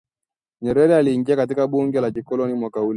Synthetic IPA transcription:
ɲɛɾɛɾɛaliːŋɡiakat̬ikaɓuŋɡɛlakikɔlɔnimwakaulɛ

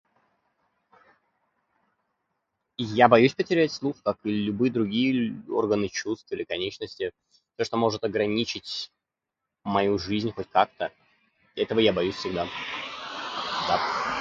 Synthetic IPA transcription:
jabɐjʉsʲpətʲɪɾʲætʲslˠuxkakɨlʲʊbɨjəd̪ɾʊɡʲijəo̞̰rɡənɨt͡ɕust̪ɨɪlʲɪkɐnʲet͡ɕnəsʲtʲɪ | sʲoʂt̪o̞mo̞ʐɨt̪ɐɡɾɐnʲit͡ɕɪtʲ | mɐjuʐɨzʲnʲxo̞tʲkak̚t̪ə | ɛt̪əvəjabɐjusʲfʲsʲɪɡd̪a | d̪a

